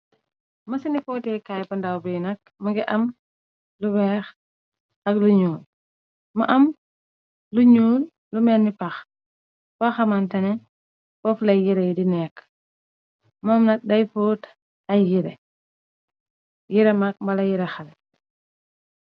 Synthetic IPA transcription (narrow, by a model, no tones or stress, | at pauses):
mɐsinifɔːtɛkajpɐndawbijnɐk̚ | mɐɡiʔɐm | lubɛːx | ɐkluɲuːl | mɐʔɐm | luɲuːl | lumɛːnːipɐx | faxɐmantɐnɛ | fɔflɐjjiɾɛjdinɛːk | mɔmnɐk̚dɐjfoːt | ɐjːiɾɛ | jiɾɛmak̚mbɐlɐjiɾɛxɐlɛ